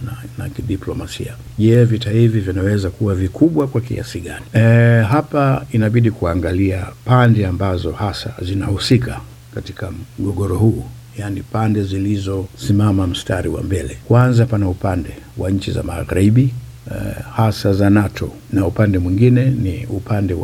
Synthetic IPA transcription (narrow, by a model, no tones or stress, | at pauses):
nana̰kiɗiplɔmasḭa | ʄɛvitaivivinawɛzakuwavikuɓwakwakḭa̰siɠaniɦapainaɓiɗikuaŋɡaliapandɛambazɔhasa̰zinahusika | kati̥kamm̩ɡɔɠɔɾɔhuː | janipandɛzilizɔsimamam̩staɾiwa̰mbɛlɛkwanzapanaupandɛ | waɲt͡ʃiza̰ma̰ɣaɾiɓi | hasazanatʰɔ | naupandɛmwiŋɡinɛniupandɛw